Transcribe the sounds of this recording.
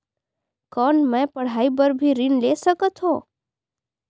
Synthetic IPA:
kɔnmɛ̃pəɽ̤aibəɾbʱiɾinlesəkət̪ɦo

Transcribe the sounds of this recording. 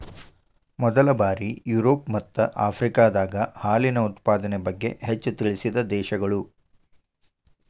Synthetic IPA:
mɔd̪ɐlɐbaːɾijuɾoːpmɐt̪ːɐʔaːpʰɾikaːd̪aːɡɐhaːlinɐut̪paːd̪ɐnebɐɡːe̞̰ɦet͡ʃːut̪iɭisid̪ɐd̪ɛːʃɐɡɐɭu

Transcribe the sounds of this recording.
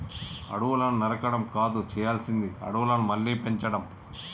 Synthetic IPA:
ɐ̰ɽuʋulɐnunɐɾɐkɐɽɐmkaːd̪ut͡ʃɛːjaːlsind̪iɐ̰ɽuʋulɐnumɐlːiːpeɲt͡ʃɐɽɐm

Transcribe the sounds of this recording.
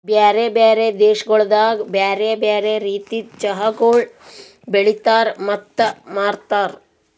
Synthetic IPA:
bjaːɾebaːɾed̪eːʃɐɡɔɭd̪aːɡbjaːɾeːbaːɾeɾiːt̪it͡ʃɐɦɐɡoːɭ | beɭit̪aːɾmɐt̪ːɐmaːɾt̪aːɾ

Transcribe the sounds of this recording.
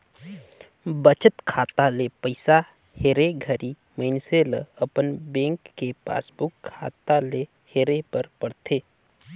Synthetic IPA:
bət͡ʃət̪kʰaːt̪alepəɪsa | heːɾeɡʱəɾi | məɪnseləɐpənbẽːŋkːepa̰ːsbʊkkʰːaːt̪ale | heːɾepəɾpɐɽt̪ʰeː

